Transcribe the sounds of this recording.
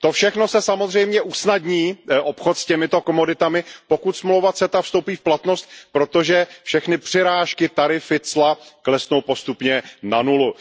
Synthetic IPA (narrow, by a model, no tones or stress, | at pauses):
t̪o̞fʃɛxno̞sɛsamozr̝ɛjmɲɛʔusnadɲiːʔopxot̪scɛmɪt̪o̞komo̞dɪt̪amɪpokut̪smlowvat͡sɛt̪afst̪owpiːfplat̪no̞st̪̚pɾo̞t̪o̞ʒɛfʃɛxnɪpr̥ɪɾaːʃkɪt̪aɾɪfɪt͡slaklɛsnowpo̞st̪upɲɛnanulu